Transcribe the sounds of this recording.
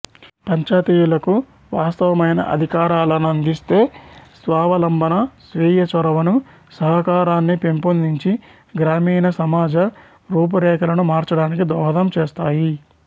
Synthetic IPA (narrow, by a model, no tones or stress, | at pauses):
pɐɲt͡ʃaːt̪iːjulɐku | ʋaːst̪ɐʋɐmɐjnɐ̰ʔɐ̰d̪ʱikaːɾaːlɐnuɐnd̪ist̪e̞ːsʋaːʋɐlɐmbɐnɐsʋiːjɐt͡ʃɐɾɐʋɐnu | sɐɦɐkaːɾaːnːipempond̪iɲt͡ʃi | ɡɾaːmiːnɐsɐmaːd͡ʒɐ | ɾuːp̬ɐɾɛːkɐlɐnumaːɾt͡ʃɐɽaːnikid̪ɔːɦɐd̪ɐmt͡ʃeːst̪aːji